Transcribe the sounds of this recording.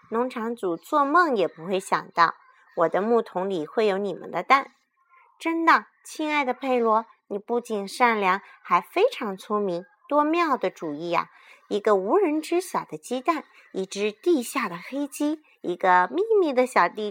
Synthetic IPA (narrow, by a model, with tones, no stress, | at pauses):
nʊ˧˥ŋʈ͡ʂʰɑ˧˥ŋt͡su˨˩t͡swɔ˥˧mɤ˥˧˩ŋjɛ˨˩pu˧˥xwe˥˩ɪɕjɑ̰˨˩ŋt̪ɑ˥˩ʊ | wɔ˨˩d̪ə˦mu˥˩t̪ʰʊ˧˥ŋli˨˩xwe˥˩ɪjo˧˥ʊni˨˩mə̰˦nd̪ə˧t̪a˥˩n | ʈ͡ʂə˥nd̪ə˨ | t͡ɕʰi˥ŋa˥˩ɪd̪ə˩pʰe˥˩ɪlwɔ˧˥ | ni˨˩pu˥˩t͡ɕi˨˩nʂa˥˩nljɑ˧˥ŋxa˧˥ɪfe˥ɪʈ͡ʂʰɑ˧˥ŋt͡sʰu˥mi˧˥ŋ | t̪wɔ˥mjɑ˥˩ʊd̪ə˩ʈ͡ʂu˨˩i˥˩ɐ̰˨˩ | i˧˥ɡə˧u˧˥ɻə˧˥nʈ͡ʂɻ̩˥ɕjɑ˨˩ʊd̪ə˦t͡ɕɛ˥t̪a˥˩n | i˥˩ʈ͡ʂɻ̩˧˥t̪i˥˧ɕja˥˩d̪ə˩xe˥ɪt͡ɕi˥ | i˧˥ɡə˧mi˥˧mi˥˩d̪ə˧ɕjɑ˨˩ʊt̪i˥˩